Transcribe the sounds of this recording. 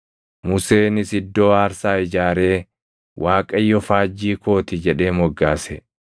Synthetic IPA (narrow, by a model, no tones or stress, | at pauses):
mʊse̞ːnɪsɪd̪ːo̞ːaːɾsaːɪd͡ʒaːɾe̞ː | wʔaːkʼɐjːɔfaːd͡ʒːiːko̞ːt̪ɪd͡ʒɛᶑe̞ːmɔɡːaːsɛ